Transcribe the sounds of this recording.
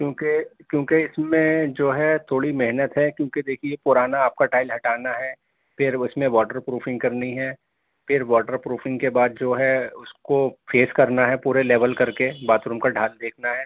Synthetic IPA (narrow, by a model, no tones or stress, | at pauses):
kjõːkekjõːkeɪsmẽd͡ʒoːɦɛt̪ʰoːɽimɪɦnət̪ɦɛkjõːked̪eːkʰiepʊɾaːnaːp̚kaʈaːɪlɦɐʈaːnaɦɛː | pʰɪɾʊsmẽʋɔːʈəɾpɾuːpʰɪ̃ŋɡkɐɾniɦɛ | pʰɪɾʋɔːʈəɾpɾuːpʰɪ̃ŋɡkebaːd̪̚d͡ʒoːɦɛʊskofʰeːskɐɾnaɦɛpuːɾeleːʋəlkɐɾkebaːt̪ɾʊmkaɖʱaːld̪eːkʰnaɦɛː